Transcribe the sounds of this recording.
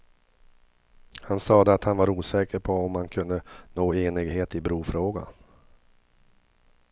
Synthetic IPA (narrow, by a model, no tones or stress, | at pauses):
hansɑːd̪əat̪hanvaɾuːsɛːkəɾpʰɔɔmːankʰɵnd̪ənoːeːnɪɡheːt̪ɪbɾuːfɾoːɡa̰